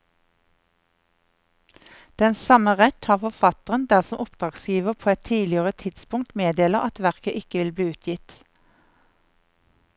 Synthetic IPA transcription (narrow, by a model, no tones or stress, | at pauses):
d̪̥ɛnsɑməʁɛt̪hɑːʁfɔfɑt̪əʁənd̪æʁsɔmʔʊpd̪̥ʁɑːɡsjiːʋəʁpʰoːɛt̪ʰiːlɪəʁət̪ʰɪd̪spʊŋ̚t̪meːd̪eːləʔɑt̪ʋæʁkəʔɪkəʋɪlbliːʉːt̪ʰjɪt̪